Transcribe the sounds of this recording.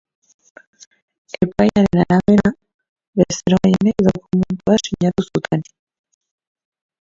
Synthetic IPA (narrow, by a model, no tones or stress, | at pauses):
e̞pajaɾe̞naɾaβe̞ɾa | βeseɾoainekðokument̪uaʃiɲat̪usut̪ʰen